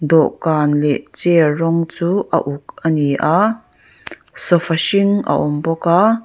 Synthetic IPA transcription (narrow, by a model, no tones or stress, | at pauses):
d̪ɔʔkaːnlɛʔt͡sɛrɔŋt͡suːʔɐ̰ʔuk̚ʔaniʔaʔ | sɔfaʃiŋʔa̰ʔɔmbɔka